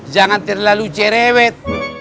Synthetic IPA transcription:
d͡ʒaŋant̪ɛrlalut͡ʃɛɾɛwɛt̪̚

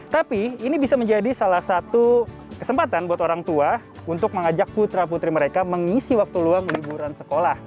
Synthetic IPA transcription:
t̪apiːnibisaməɲd͡ʒadisalahsat̪u | kə̥səmpat̪anbuat̪oɾaŋt̪ua | unt̪ʊk̚məŋad͡ʒak̚put̪ɾaput̪ɾiməɾekaməŋisiwak̚t̪uluaŋlibuɾansəkolah

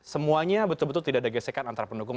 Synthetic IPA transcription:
səmuaɲabət̪ʊlbət̪ʊlt̪idaʔdaɡəsekat̪ant̪aɾapəndukʊŋ

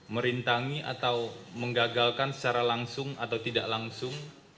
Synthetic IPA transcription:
məɾint̪aŋiʔa̰t̪awməŋɡaɡalkansə̥t͡ʃaɾalaŋsʊŋat̪awt̪idaʔlaŋsʊŋ

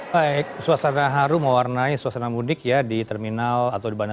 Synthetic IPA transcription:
baɪk̚suasanaɦaɾuməwarnaisuasanamudɪkjadit̪ɛrminalat̪awdibana

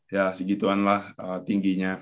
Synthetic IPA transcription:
jasəɡit̪uanlahət̪iŋɡiɲa

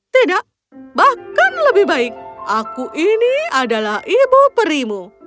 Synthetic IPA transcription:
t̪idaʔ | bahkanləbɪhbaɪk̚ʔakuʔiniadalahʔibupəɾimu

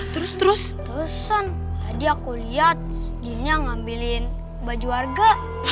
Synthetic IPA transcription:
t̪əɾʊst̪əɾʊs | pəsən | adiakoliat̪̚ | d͡ʒinaŋambilɪn | bad͡ʒuarɡa

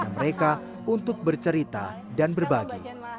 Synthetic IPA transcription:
aməɾeka | unt̪ʊk̚bərt͡ʃəɾit̪a̰ | danbərbaɡḭ

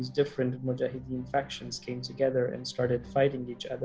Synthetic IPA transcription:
zdɪfɹɨ̃ntmɔd͡ʒahɪdiɨ̃nfɛkʃɨ̃nz̥kʰẽɪ̃mtʰɨɡɛðə˞ɨ̰̃nstɑɹɾɨd̥faɪɾɪ̃ŋit͡ʃʌ̰ðə

